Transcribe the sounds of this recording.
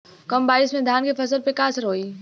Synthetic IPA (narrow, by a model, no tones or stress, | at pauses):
kɐmbaːɪsmẽd̪ʱaːnkefɐsəlpekaːsəɾoːiː